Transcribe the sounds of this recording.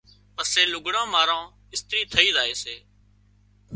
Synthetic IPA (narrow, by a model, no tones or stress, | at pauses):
pəseːlʊɡɽãːmaːɾãː | ɪst̪ɾiːt̪ʰəiːzaːeːseː